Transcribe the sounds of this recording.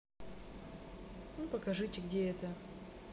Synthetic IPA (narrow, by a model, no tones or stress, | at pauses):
nupəkɐʐɨtʲɪɡdʲeɛt̪ə